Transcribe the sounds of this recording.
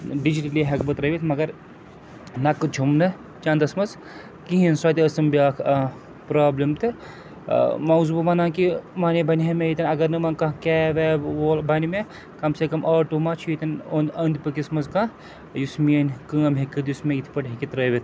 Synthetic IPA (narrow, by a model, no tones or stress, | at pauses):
ɖid͡ʒiʈɐliɦɐkbɐt̪ɾɐʋit̪ʰmɐɡɐɾ | nɐkɨd͡ʒʰʱumnɨ | t͡ʃãːnd̪ɐsmɐz | kiɦinswaːt̪ʲiɐsɐmbiaːkʰ | pɾaːblɐmt̪ɨ | mɐzubɐmɐnaːkimaːnebʱɐniɦɐmejit̪ɐnɐɡɐɾnɨmɐnkɐkʲeːʋeːolbʱɐnime | kɐmsekɐmʔaːʈumat͡ʃʰjit̪ɐnonɐnd̪pɨkismɐzkã | jusminʲkɐːmɦekɨt̪jusmẽjit̪ʰi̥pɐʈɦikit̪ɾɐːʋʲit̪ʰ